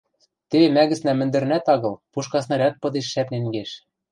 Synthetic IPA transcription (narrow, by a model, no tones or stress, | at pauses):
t̪emæɣɘ̆snæmɘ̆nd̪ɘ̆næt̪ɑɣɤ̆lpuʃkɑsnɤ̆ɾʲæk̚pɤ̆d̪eʃːæpneŋɡeʃ